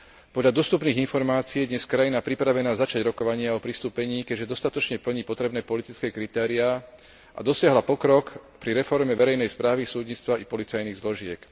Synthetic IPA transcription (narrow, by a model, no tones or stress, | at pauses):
pɔd̪ʎad̪ɔst̪upniːɣinfɔɾmaːt͡siːjɛd̪ɲɛskɾajinapɾipɾaʋɛnaːzat͡ʃaɟɾɔkɔʋaɲɪaɔpɾist̪uːpɛɲiːkɛɟʒɛd̪ɔst̪at̪ɔt͡ʃɲɛpl̩ɲipɔt̪ɾɛbnɛːpɔlit̪it͡skɛːkɾit̪ɛːɾiaː | ʔa̰d̪ɔsɪaɦlapɔkɾɔkpɾiɾɛfɔɾmɛʋɛɾɛjnɛjspɾaːʋisuːd̪ɲit͡st̪ʋaʔipɔlit͡sajniːɣzlɔʒɪɛk